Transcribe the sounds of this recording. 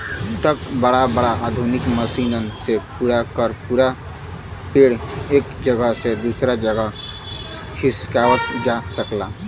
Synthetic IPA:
t̪əkbəɽabəɽaʔad̪ʱunikməsinənsepuɾakəɾpuɾa | peɽekd͡ʒəɡəsed̪usɾad͡ʒəɡə | kʰiskawət̪d͡ʒasəkla

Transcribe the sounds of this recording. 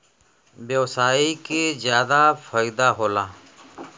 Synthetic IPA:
beːsaːikeːzjaːd̪aːfaːiːd̪aːɦoːlaː

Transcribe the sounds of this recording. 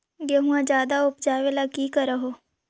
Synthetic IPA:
ɡeɦũãd͡ʒjaːd̪aʊpd͡ʒaːʋelakiːkəɾəɦoː

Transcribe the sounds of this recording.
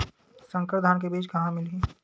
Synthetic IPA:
sə̃ŋkəɾd̪ʱaːnk̬ebiːd͡ʒkɐɦãmɪli

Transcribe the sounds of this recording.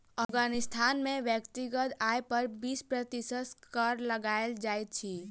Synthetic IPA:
əpɡaːnɪst̪ʰaːnmẽʋjəkt̪iɡət̪aːjpəɾbiːspɾət̪ɪsəskəɾləɡaːeld͡ʒaːet̪̚t͡ʃʰiː

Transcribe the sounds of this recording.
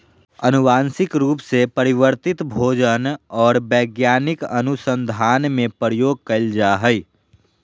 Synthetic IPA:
ɐnʊʋaːnsɪkɾuːpsepɐɾɪwəɾt̪ɪt̪bʱoːd͡ʒənɔːɾbɛːɡjaːnɪkɐnʊsə̃nd̪ʱaːnmẽpəɾjoːɡ̚kɐɪld͡ʒaɦəi

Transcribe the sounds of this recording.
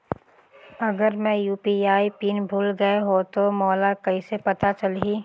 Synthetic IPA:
ɐɡəɾmɛ̃juːpiaːipiːnbʱuːlɡɐeɦot̪omɔːlakɐisepɐt̪at͡ʃɐliː

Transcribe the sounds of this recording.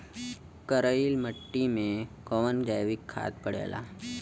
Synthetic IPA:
kəɾəilməʈːimẽkoʋənd͡ʒajʋikʰːa̰ːt̪̚pəɽḛːla̰

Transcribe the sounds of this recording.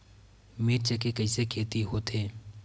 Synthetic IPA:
meːɾt͡ʃekekəiːsekʰeːt̪iɦoːt̪ʰeː

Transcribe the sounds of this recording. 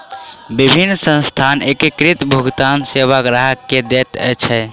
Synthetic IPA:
bibʱinːsə̃nst̪ʰanekikɾit̪bʱuɡt̪ansebaɡɾaɦəkːed̪et̪ɛ̰t͡ʃʰɛ

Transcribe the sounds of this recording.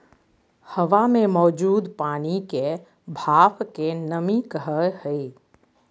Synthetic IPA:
həʋamẽmɔːd͡ʒuːd̪paːnike | bʱaːpkenəmikəɦəhɛi

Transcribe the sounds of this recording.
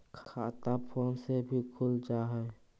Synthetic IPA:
kʰkʰaːt̪apʰoːnsebʱikʰʊlt͡ʃaːɦɛ

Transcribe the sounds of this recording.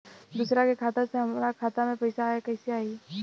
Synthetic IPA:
d̪uːsɾakekʰaːt̪aseɦɐmɾakʰaːt̪amẽpɐɪsaɦekɐɪsiaːi

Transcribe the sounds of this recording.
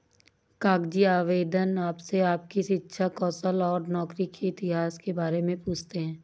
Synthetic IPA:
kaːɡd͡ʒiaːʋeːd̪ənaːpseaːp̚kiʃɪtːʃʰakɔːsəlɔːɾnɔːkɾikʰeɪt̪ɪɦaːskebaːɾemẽpuːt͡ʃʰt̪eɦɛ̃ː

